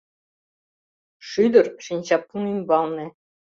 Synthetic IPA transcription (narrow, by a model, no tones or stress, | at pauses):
ʂyd̪ɘ̆rʃinʲɕɑp̚ːunymʲbɑlˠnɘ̆